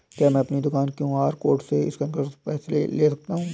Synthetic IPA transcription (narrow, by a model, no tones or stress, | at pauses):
kjaːmɛ̃ɐpnid̪ʊkaːnkjũːɦaːɾkoːɾʈseɪ̰skɐ̃nkəɾpɛːslḛleːsɐk̚t̪aɦũː